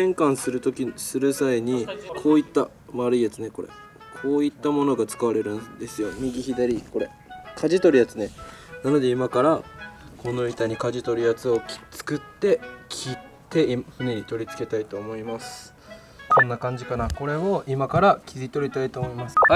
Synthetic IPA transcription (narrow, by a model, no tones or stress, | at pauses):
ẽ̞ŋkãɰ̃sɨɾɯ̟t̪o̞kʲisɨɾɯ̟saiɲ̟ikʰo̞ːit̪ːa | maɾɯ̟ijat͡sɨne̞ko̞ɾe̞̰ | kʰo̞ːit̪ːamo̞no̞ɡat͡sɨ̥kaβaɾe̞ɾɯ̟̃nd̪e̞sɨjo̞m̟ʲiɡʲiçid̪aɾʲiko̞ɾe̞̰ | kʰaʑit̪o̞ɾɯ̟jat͡sɨne̞nano̞d̪e̞imakaɾako̞noit̪aɲ̟ikaʑit̪o̞ɾɯ̟jat͡sɨo̞kt͡sɨ̥kɯ̟t̪ːe̞kʲʰitt̪ːe̞imɸɯneɾʲit̪o̞ɾʲit͡sɨ̥ke̞t̪ait̪o̞ːmo̞imasɨ̥ | kʰõ̞nːakãɲ̟d͡ʑikanako̞ɾe̞oʔimakaɾakʲʰizit̪o̞ɾʲit̪ait̪oːmo̞imasɨ̥ha